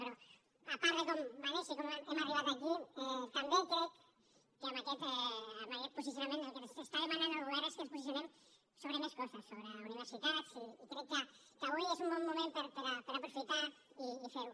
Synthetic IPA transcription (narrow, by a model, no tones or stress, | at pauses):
beɾo | apaɾðekombanesikomeemariβat̪akit̪ambek̪ɾek | kamakɛt̪ɛamakɛt̪̚pusisjunamẽnelkensest̪aðemananoɾuβeɾeskenspusis̬jonem | soβɾemeskɔsasːoβɾeuniβeɾsit̪asiːk̪ɾɛkːə | kaβujezumbɔmːumẽmpəɾpəɾapəɾapɾufit̪aɾiːfeɾu